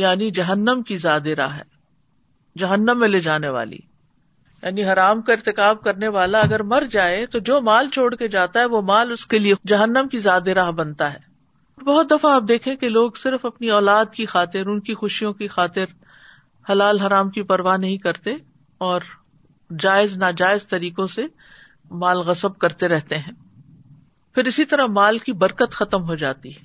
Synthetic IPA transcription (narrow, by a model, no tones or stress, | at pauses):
jaːnid͡ʒɐɦənːəmkizaːd̪eɾa̰ːɦɦɛː | d͡ʒɐɦənːəmːẽleːd͡ʒaːneʋa̰ːlḭ | ja̰ːniɦɐɾaːmkaɪɾt̪ɪkaːb̚kɐɾneʋaːlaɐɡəɾmɐɾd͡ʒaːet̪od͡ʒoːmaːlt͡ʃʰoːɽked͡ʒaːt̪aɦɛʋomaːlʊskelied͡ʒɐɦənːəmkizaːd̪eɾaːɦbɐnt̪aɦɛ̰ː | ɔːɾbɐɦʊt̪̚d̪ɐfaaːp̚d̪eːkʰẽkeloːɡsɪɾfɐpniɔːlaːd̪kixaːt̪ɪɾʊnkixʊʃijõkixaːt̪ɪɾ | hɐlaːlɦɐɾaːmkipɐɾʋanɐɦĩkɐɾt̪e | ɔːɾ | d͡ʒaːɪznaːd͡ʒaːɪzt̪ɐɾiːkõse | maːlɣɐsəb̚kɐɾt̪eɾɛɦt̪eɦɛ̃ː | fɪɾɪsit̪ɐɾəɦmaːlkibɐɾkət̪xɐt̪əmɦod͡ʒa̰ːt̪iɦɛ